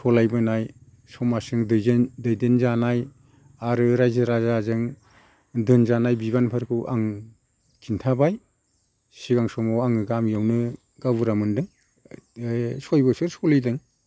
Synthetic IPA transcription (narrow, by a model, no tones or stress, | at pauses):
sɔlajbɯnaj | sɔmasɯŋdɯdɯjdenzanaj | aɾɯɾajzɯɾazazɯŋ | dɯnzanajbiβanpʰaɾkʰɯʔa̰ŋ | kʰintʰabaj | siɡaŋsɔmawaŋɯɡamjawnɯ | ɡabuɾamɯndɯŋ | sojbɯsɯɾskɔlidɯŋ